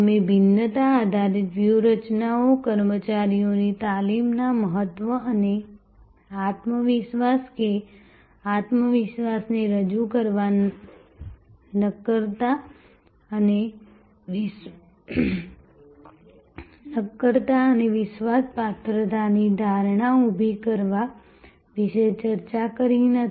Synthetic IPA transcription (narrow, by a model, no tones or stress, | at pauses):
əmebʱɪnːət̪aːd̪ʱaɾit̪ʋjuɾət͡ʃnaokəɾmət͡ʃaɾijonit̪alimnaməɦət̪ʋəəne | at̪məʋɪʃʋaske | at̪məʋɪʃʋasneɾəd͡ʒukəɾʋa | nəkːəɾt̪a | əne | ʋɪ | nəkːəɾt̪aəneʋɪʃʋaspat̪ʰɾət̪anid̪ʱaɾɳ̃aubʱikəɾʋa | ʋɪʃet͡ʃəɾt͡ʃakəɾinət̪ʰ